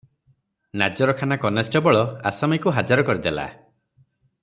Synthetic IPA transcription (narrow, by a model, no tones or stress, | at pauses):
nad͡ʒɔɾɔkʰanakɔnesʈɔbɔɭɔa̰samajkuɦad͡ʒaɾɔkɔɾid̪ela̰